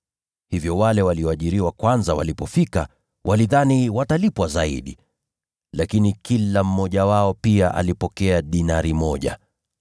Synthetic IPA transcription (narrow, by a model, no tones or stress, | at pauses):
hivjɔwalɛwaliɔaʄiɾiwakwanzawa̰lipɔfika | wʔaliðaniwatalipwazaḭɗi | lakinikilam̩mɔʄawaɔpiaʔa̰lipɔkɛaɗinaɾimɔʄa̰